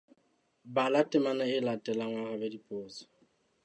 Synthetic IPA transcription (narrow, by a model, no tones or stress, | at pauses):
balatʼɪmanaɪlatʼɛlaŋwaɣabedipʼoːt͡sɔ̥